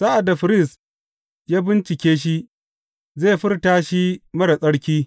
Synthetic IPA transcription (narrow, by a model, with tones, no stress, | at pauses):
sa˦ʔa˨dːa˨ɸɪ˦ɾɪ˦s | jaː˦bɪ˦nt͡ʃɪ˨kʲeː˦ʃ̬i˦ | zeː˦˨ɸɪ˦rtaː˦ʃi˦mɐ˦ɽa˨sʼɐ˦ɽkʲiː˦